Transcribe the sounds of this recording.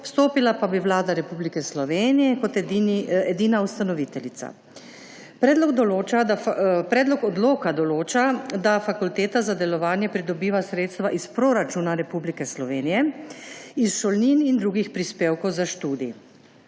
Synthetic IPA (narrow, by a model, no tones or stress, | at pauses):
pst̪oːpilapabiʋlaːd̪aɾɛpublikɛslɔʋeːnijɛkɔt̪ɛɛd̪iːnaust̪anɔʋit̪ɛlit̪sa̰ | pɾɛːd̪lɔɡd̪ɔloːt͡ʃapɾɛːd̪lɔkɔd̪loːkad̪ɔloːt͡ʃad̪afakult̪eːt̪azad̪ɛlɔʋaːnjɛpɾid̪ɔbiːʋasɾeːt̪st̪ʋaʔispɾoːɾat͡ʃuːnaɾɛpublikɛslɔʋeːnijɛ | isʃolninind̪ɾuɡixpɾispeːwkɔwzaʃt̪uːd̪i